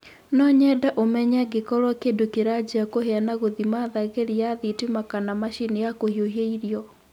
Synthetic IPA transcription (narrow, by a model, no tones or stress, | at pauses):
nɔɲɛdaʔomɛɲaɡekɔɾwɔkeːndokeɾad͡ʑiakoɦeanaɣoðimaðaɣeɾijaðitimakanamaɕinijakohjohjeiɾjɔ